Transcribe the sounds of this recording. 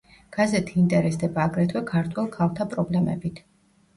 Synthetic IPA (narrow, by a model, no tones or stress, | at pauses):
ɡ̥azɛt̪ʰiint̪ʼɛɾɛsd̪ɛbaːɡɾɛt̪ʰwɛkʰaɾt̪ʰwɛlˠkʰalˠt̪ʰapʼɾɔblɛmɛ̰bit̪ʰ